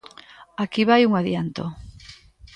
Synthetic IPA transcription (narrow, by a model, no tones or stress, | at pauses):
akiβajuŋaðjant̪o